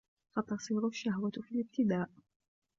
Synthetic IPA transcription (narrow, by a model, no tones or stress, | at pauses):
sɑt̪ɑsˤiːɾʊʃːahwafilɪb̚t̪ɪd̪aːʔ